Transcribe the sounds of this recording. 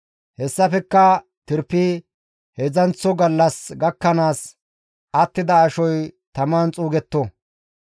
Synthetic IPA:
hɛsːɐfɛkːɐ | t̪ɪɾpːi | hɛzɐnt͡sːɔɡɐlːɐsɡɐkːɐnaːs | ɐt̪ːɪd̪ɐːʃɔjt̪ɐmaːnt͡sʼuːɡɛt̪ːɔ

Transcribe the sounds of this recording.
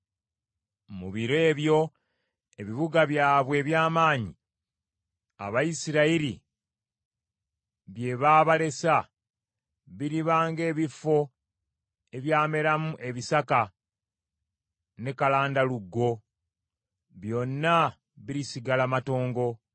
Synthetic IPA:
mṵβiɾe̞ːβjo̞ | e̞βiβuɡaβjaːβwe̞ːβjaːmaːɲi | a̰βajisiɾaiɾi | βje̞βaːβale̞sa | βiɾiβaːŋɡe̞ːβifo̞ | e̞βjaːme̞ɾamuʔe̞βisaka | ne̞kalaːndaluɡːo̞ | βjo̞nːa | βiɾisiɡalamato̞ːŋɡo̞

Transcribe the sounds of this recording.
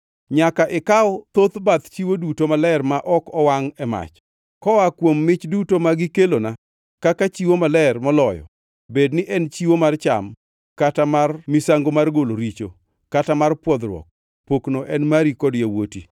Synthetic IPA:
ɲakaʔɪkaɔt̪ot̪bat̪t͡ʃiwodutomalɛrmaʔɔkɔwaŋɛma̰t͡ʃ | kɔwakwomːɪt͡ʃdutomaɡɪkelona | kakat͡ʃiwomalɛrmɔlɔjɔ̰ | bednɪʔɛnt͡ʃiwomart͡ʃa̰m | katamarmisaŋɡomarɡoloɾit͡ʃo̰ | katamarpwɔd̪ɾwɔ̰k̚ | poknoʔɛnmaɾikɔdjawoti

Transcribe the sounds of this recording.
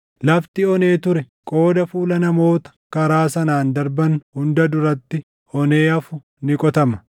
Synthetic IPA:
lɐft̪ɪɔne̞ːt̪ʊɾɛ | kʼo̞ːd̪ɐfuːlɐnɐmo̞ːt̪ɐ̥kɐɾaːsɐnaːnd̪ɐɾbɐnhʊnd̪ɐd̪ʊɾɐt̪ːɪ | ɔneːɐfʊ | nɪkʼɔt̪ɐmɐ̥

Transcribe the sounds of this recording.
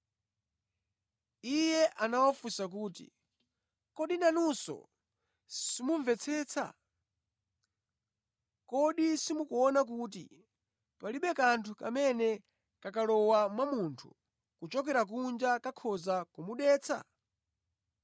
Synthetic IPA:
ijɛʔanawafusak̬uːtḭ | kɔɗinanusɔ̰ | simuɱvɛt͡sʰɛːt͡sʰa̰ | kɔɗisimukuɔnak̬ut̬ḭ | paliɓɛkantʰukamɛnɛ | kakalɔwamwamuntʰu | kut͡ʃɔkɛɾak̬und͡ʒakakʰɔzakumuɗɛːt͡sʰa̰

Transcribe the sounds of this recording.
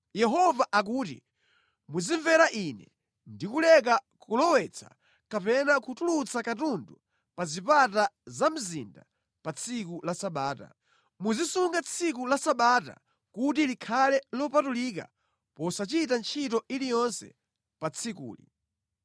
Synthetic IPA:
jɛɦɔvaʔak̬uːtḭ | muziɱvɛɾaʔinɛ | ndikulɛk̬akulɔwɛt͡sʰḁ̰ | kapɛnakʰutulut͡sakatundu | pazipatazam̩zinda̰ | pat͡sʰik̬ulasaɓaːta̰ | muzisuŋɡat͡sʰik̬ulasaɓaːta̰ | kut̬ilikʰalɛlɔpatulik̬a̰ | pɔsat͡ʃitant͡ʃʰitɔilijɔnsɛ̰ | pat͡sʰikṵːlḭ

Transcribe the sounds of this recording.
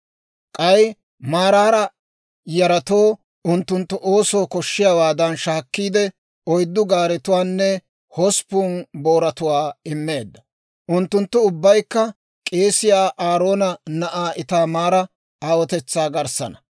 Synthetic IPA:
kʼɐj | maːɾaːɾɐ | jɐɾɐt̪oː | ʊnt̪ːʊnt̪ːʊʔo̞ːso̞ːkɔʃːɪjawaːd̪ɐnʃaːkːiːd̪ɛ | ɔjd̪ːʊɡaːɾɛt̪ʊwaːnːɛ | hɔspuːnbo̞ːɾɐt̪ʊwaːɪmːe̞ːd̪ːɐ̥ | ʔʊnt̪ːʊnt̪ːʊʊbːɐjkːɐ | kʼe̞ːsɪjaːʔaːɾo̞ːnɐnɐʔaːʔɪt̪aːmaːɾɐ | aːwɔt̪ɛt͡sːaːɡɐɾsɐ̰nɐ̥

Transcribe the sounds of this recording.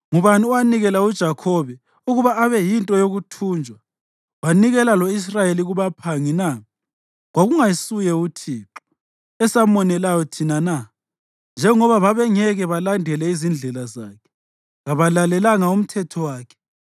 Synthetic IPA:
ŋuβaniwaniɣɛlaud̥ʒ̥ʱakʰɔβɛ | uɣuβaaβɛjintʼɔjoɣutʰuːnd͡ʒʱwa | waniɣɛlalɔis̬rajeliɣuβapʰaŋina | ɣwaɣuŋajisujɛutʰiːǃɔ | ɛsamɔnɛlajɔtʰinana | nd͡ʒʱɛŋɔβaβaβɛŋɛɣɛβalandʱɛlɛizind͡ɮʱɛlazaːkʰɛ̥ | ɣaβalalɛlaŋaum̩tʰɛtʰɔwaːkʰɛ̥

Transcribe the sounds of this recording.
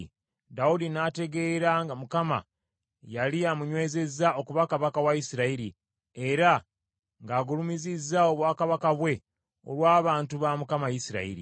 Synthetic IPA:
daudinaːte̞ɡe̞ːɾaŋɡamukama̰ | jaliamuɲwe̞ːze̞zao̞kuβakaβakawajisiɾaiɾi | e̞ɾa | ŋɡaːɡulumizizːao̞βwaːkaβakaβwe̞ | o̰lwaːβaːntuβamukamajisiɾa̰ḭɾḭ

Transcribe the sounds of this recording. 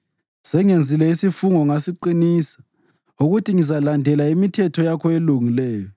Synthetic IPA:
sɛŋend͡zʱilɛisifuŋɔŋasiǃiniːsḁ | uɣutʰiŋizalandʱɛlaimitʰɛtʰɔjakʰɔeluŋilɛːjɔ

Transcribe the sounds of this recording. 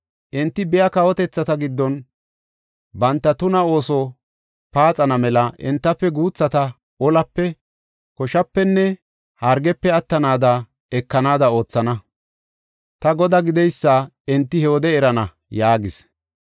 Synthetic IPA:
ʔɪnt̪ːɪbɛjɐkɐwɔt̪ɛt͡sːɐt̪ɐɡɪd̪ːɔn | bɐnt̪ːɐt̪ʊnɐo̞ːsɔ | paːt͡sʼɐnɐmɛlɐʔɪ̰nt̪ːɐpːɛɡuːt͡sːɐt̪ɐ | ɔlɐpːɛ | kɔʃɐpːɛnːɛ | hɐɾɡɛpːɛɐt̪ːɐnaːd̪ɐ | ɛkːɐnaːd̪ɐo̞ːt͡sːɐnɐ | t̪ɐɡɔd̪ɐɡɪd̪ɛjsːa | ɪnt̪ːɪhɛɔd̪ɛɛɾɐnɐ | jaːɡɪs

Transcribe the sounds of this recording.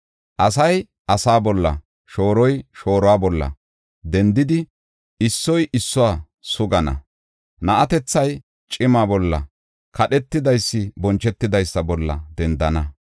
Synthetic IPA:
ʔɐsɐj | ʔɐsaːbɔlːɐ̰ | ʃo̞ːɾɔjʃo̞ːɾɔwaːbɔlːɐ̰ | d̪ɛnd̪ɪd̪ɪ | ɪsːɔjʔɪsːɔwaː | sʊɡɐnɐ̰ | nɐʔɐt̪ɛt͡sːɐj | t͡ʃʼɪmaːbɔlːɐ̰ | kʰɐɗɛt̪ːɪd̪ɐjsːɪbɔnt͡ʃːɛt̪ːɪd̪ɐjsːɐbɔlːɐ̰d̪ɛnd̪ɐnɐ

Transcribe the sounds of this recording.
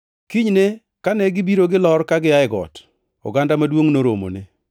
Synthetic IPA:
kiɲne | kanɛɡɪbiɾoɡɪlɔɾkaɡɪjaɪɡɔ̰t | ɔ̰ɡandamadwoŋnoɾomo̰ne

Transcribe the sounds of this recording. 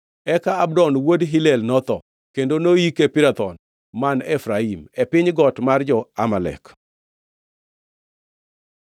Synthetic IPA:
ɛkaabdɔnwodɦilɛlnɔt̪ɔ | kendonoikepɪɾat̪ɔn | manɛfɾaimɛpɪɲɡɔtmard͡ʒɔamalɛ̰k

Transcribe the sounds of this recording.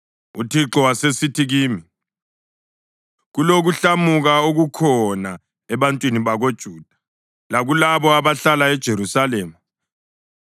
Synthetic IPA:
ṵtʰiǁɔwasesitʰiɣiːmi | ɣuloɣuɬamuɣaoɣukʰɔna | ɛβantʼwiniβaɣod̥ʒ̥ʱuːd̥ʱḁ | laɣulaβɔaβaɬalaɛd̥ʒ̥ʱeɾusaleːma

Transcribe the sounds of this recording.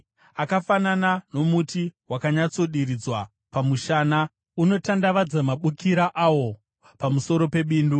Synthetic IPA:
akafananano̞mutiwakaɲat͡so̞ɗiɾid͡zwa | pamuʃana | uno̞tandaʋad͡zamaɓukiɾaʔawo̞ | pamuso̞ɾo̞pe̞ɓiːndu

